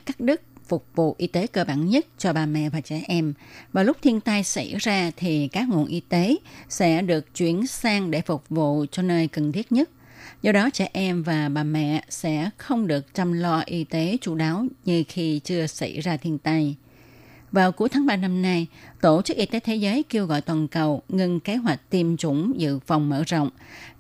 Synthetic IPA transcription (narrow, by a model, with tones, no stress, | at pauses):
kaː˦˥k̚ɗɨ˦˥k̚fʊ˨˩k͡p̚vṵ˧˨ʔi˧t̪e˨˦kəː˧ɓaː˧˩nɲə˦˥t̚t͡ɕɔ˧ɓaː˨˩mɛ̰˧˨vaː˨˩t͡ɕɛ˧˩ʔɛ˧mvaː˨˩lʊ˦˥k͡p̚t̪ʰi˧ənt̪a˧jsa̰˧˩jzaː˧t̪ʰi˨˩kaː˦˥k̚ŋṵ˧˨ənʔi˧t̪e˨˦sɛ̰˧˥ɗɨ˨˩ək̚t͡ɕwi˧˩ənsaː˧ŋɗe˧˩fʊ˨˩k͡p̚vṵ˧˨t͡ɕɔ˧nəː˧jkə˨˩nt̪ʰi˦˥t̚ɲə˦˥t̚ | zɔ˧ɗɔ˨˦t͡ɕɛ˧˩ʔɛ˧mvaː˨˩ɓaː˨˩mɛ̰˧˨sɛ̰˧˥xə˧wŋ͡mɗɨ˨˩ək̚t͡ɕa˧mlɔ˧ʔi˧t̪e˨˦t͡ɕṵ˧˩ɗaː˨˦wɲɨ˧xi˧t͡ɕɨ˧əsa̰˧˩jzaː˧t̪ʰi˧ənt̪a˧j | vaː˨˩wku˨˦˥jt̪ʰaː˨˦ŋɓaː˧na˧mna˧jt̪o˧˩t͡ɕɨ˦˥k̚ʔi˧t̪e˨˦t̪ʰe˨˦zəː˨˦jke˧əwɣɔ̰˧˨jt̪waː˨˩nkə˨˩wŋɨ˧ŋke˨˦ɦwa˨˩jk̟̚t̪i˧˩mt͡ɕʊ˧˩ŋ͡mzɨ̰˧˨fa˨˩wŋ͡mmə̰ː˧˥zə̰˧˨wŋ͡m